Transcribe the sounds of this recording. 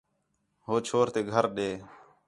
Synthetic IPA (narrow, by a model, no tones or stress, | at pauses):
ɦoːt͡ʃʰoːɾt̪eːɡʱəɾɗeː